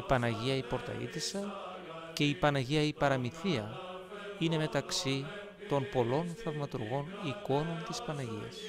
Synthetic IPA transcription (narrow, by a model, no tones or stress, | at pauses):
ipɐnɐʝiɐipo̞ɾt̪ɐ̰ḭt̪isɐ | ce̞ipɐnɐʝiɐipɐɾɐmiθiɐ | ine̞me̞t̪ɐksi | t̪o̞npo̞lo̞nθɐvmɐt̪uɾɣo̞niko̞no̞nt̪ispɐnɐʝiɐ̰s